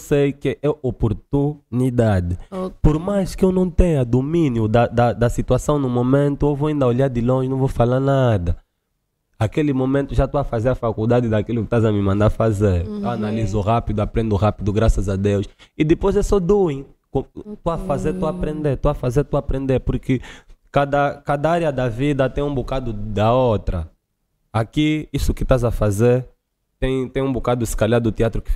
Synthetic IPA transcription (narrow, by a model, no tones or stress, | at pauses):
sejkɪʔɛopoɾt̪unid̪ad̪ɪpoɾmajskɪewnɐ̃w̃t̪ẽɲɐd̪omĩnjʊd̪ɐd̪ɐd̪ɐsit̪uasɐ̃w̃nʊmomẽnt̪ʊewvoaĩnd̪ɐoʎaɾd̪ɪlõʒɪnɐ̃w̃vowfalaɾnad̪ɐ | akelɪmomẽnt̪ʊʒat̪uafazeɾɐfakuld̪ad̪ɪd̪akilʊkɪʃt̪azɐmimɐ̃nd̪aɾfazeɾewanalizʊʁapid̪ʊapɾẽnd̪ʊʁapid̪ʊɡɾasɐzad̪ewsɪd̪ɪpojzesɔd̪uẽ | kõt̪oafazeɾt̪oapɾẽnd̪eɾt̪oɐfazeɾt̪uapɾẽnd̪eɾpʊɾkɪkad̪ɐkad̪aaɾjɐd̪ɐvid̪ɐt̪ẽj̃ũbukad̪ʊd̪aot̪ɾɐ | akiisʊkɪt̪azɐfazeɾ | t̪ẽj̃t̪ẽj̃ũbukad̪ʊiskaʎaɾd̪ʊt̪eat̪ɾʊkɪ